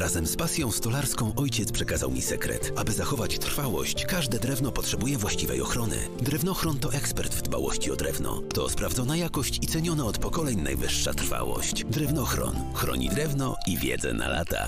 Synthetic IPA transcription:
ɾazɛmspasʲjɔ̃w̃st̪ɔlaɾskɔ̃w̃ʔɔjt͡ɕɛt̪spʂɛkaza̰wmʲḭsɛkɾɛ̰t̪abɘzaxɔvat͡ɕt̪r̥fawɔ̰ɕt͡ɕkaʐd̪ɛd̪ɾɛvnɔpɔtʂɛbujɛvwaɕt͡ɕivɛ̰jɔxɾɔnɘ̰ | d̪ɾɛvnɔxɾɔnt̪ɔʔɛkspɛɾt̪vd̪va̰wɔ̰ɕt͡ɕiɔd̪ɾɛvnɔ̰t̪ɔspɾavd̪ɔnajakɔɕt͡ɕit̪sɛɲɔnaɔt̪pɔkɔlɛɲna̰jvɘʂːa̰t̪rfa̰wɔ̰ɕt͡ɕd̪ɾɛvnɔxɾɔ̰nxɾɔ̰ɲḭd̪ɾɛvnɔ | ivʲjɛ̰d̪zɛ̰na̰la̰t̪a̰

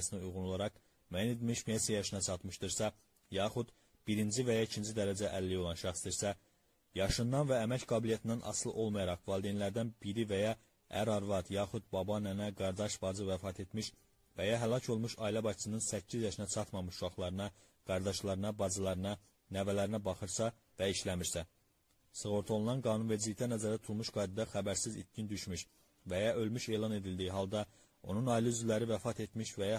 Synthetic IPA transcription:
siniujʁunolˠɑɾɑq | mæjined̪miʃmesejɑʃɯnɑt͡ʃʰɑt̪mɯʃd̪ɯɾsɑ | jɑːχud̪ | b̥iɾind͡ʒivæjɑicʰind͡ʒid̪æɾæd͡ʒæʔælːijo̞lˠɑnʃæχsd̪iɾsæ | jɑʃɯnd̪ɑnvæːmæcɡɑːbilijæt̪ʰind̪ænʔɑ̰slˠɯ̰ʔo̞lˠmɑjɑɾɑχvɑːlˠd̪inlæɾd̪ænbiɾivæjɑ | æ̰ɾɑɾvɑt̪jɑːxud̪bɑbɑnænæɡɑɾd̪ɑʃbɑd͡ʒɯvæfɑːt̪ʰe̞t̪miʃ | væjɑɦælˠɑcʰo̞lˠmuʃɑilæbɑct͡s̪ʰɯnɯnsæcʰːizjɑʃinæt͡ʃʰɑt̪mɑmɯʃuʃɑχlˠɑɾɯnɑ | ɡ̥ɑɾd̪ɑʃlˠɑɾɯnɑbɑzɯlˠɑɾɯnɑ | nævælæɾinæbɑχɯɾsɑ | væiʃlæmiɾsæ | sɯɣo̞ɾt̪ʰo̞lˠunɑnɡɑːnunve̞ɾd͡ʒilict̪ænæzæɾæt̪ʰulˠmuʃɡɑːjd̪id̪ɑxæbæɾsizḭt̪̚cind̪yʃmyʃ | væjɑʔø̞lmyʃe̞ːlˠɑne̞d̪ild̪ijiɦɑlˠd̪ɑ | o̞nunɑiliyzylæɾivæfɑt̪ʰe̞t̪miʃvæjɑ

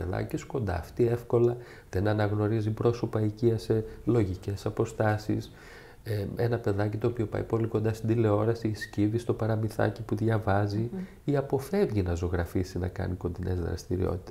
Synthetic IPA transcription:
eðɐ̰cisko̞nd̪ɐ̰ːft̪ie̞fko̞lɐ | ðenɐnɐɣno̞ɾizipɾo̞so̞pɐiciɐse̞lo̞ʝice̞sɐpo̞st̪ɐsḭs | eenɐpe̞ðɐcit̪o̞ːpio̞pɐ̰ipo̞liko̞nd̪ɐst̪id̪ile̞o̞ɾɐsiːsciðist̪o̞pɐɾɐmiθɐ̰cipuðʝɐvɐzi | iɐpo̞fe̞vʝinɐzo̞ɣɾɐfisinɐ̰kɐ̰niko̞nd̪ine̞̰zðɾɐ̰st̪iɾḭo̞̰t̪i̥t̪e

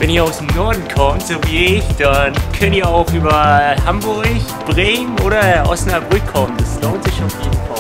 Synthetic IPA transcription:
vɛniːɐaʊsnɔɐdn̩kʰɔmtz̥oːviːɪçd̥ankʰɛntiːɐaʊxʔyːbɐhambʊɐç | b̥ʁeːmmʔoːɾɐʔɔ̰ʊsnabʊtkʰɔmdasloːntz̥ɪçafeːn̩fa

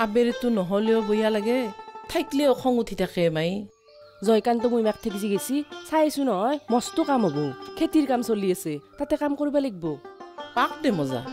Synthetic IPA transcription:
abeɾɛtʊnɔɦɔleɔbojalaɡɛtʰajkleɔkʰɔŋutʰitʰakɛmaj | zɔjkant̬ɔmujmak̚tʰekziɡesisajsunɔɦɔjmɔstʊkamɦɔbɔkʰetiɹkamsoliasetatɛkamkoɹibaleɡ̚bɔpak̚dɛmɔza̰

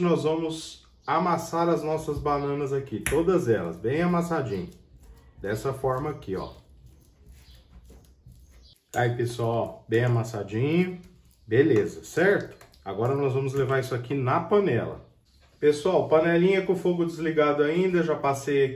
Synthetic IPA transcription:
nɔzvɐ̃mʊz | amasaɾɐznɔsɐzbanɐ̃nɐzakit̪od̪ɐzɛlɐ̰zbẽj̃amasad͡ʒĩɲʊd̪ɛsɐfɔɾmɐakiɔ̰ | a̰ipesuawbẽj̃amasad͡ʒĩɲʊ | belezɐsɛɾt̪ʊ̥ | a̰ɡɔɾɐnɔzvɐ̃mʊzlevaɾisʊakinɐpɐnɛ̰lɐ̰ | pesʊawpɐnɛlĩɲɐkõfoɡʊd͡ʒɪzliɡad̪ʊaĩd̪ɐʒapaseja

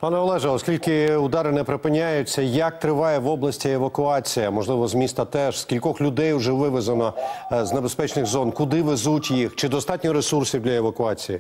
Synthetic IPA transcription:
pɑnɛɔlˠɛʒɛɔskʲilʲkɪʊd̪ɑɾɪnɛpɾɪpɪnʲːajʊt͡sʲːɐjɐk̚t̪ɾɪʋɑjɛʋɔblˠɐsʲtʲieʋɐkʊɑt͡sʲijɐmɔʒlˠɪʋɔzmʲist̪ɐt̪ɛʒskʲilʲkɔxlʲʊd̪ɛjʊʒɛʋɪʋezɐnɔznebespɛt͡ʃnɪɣzɔnkʊd̪ɪʋezutʲjixt͡ʃɪd̪ɔst̪ɑtʲnʲɔɾesursʲiwd̪lʲɐeʋɐkʊɑt͡sʲiji

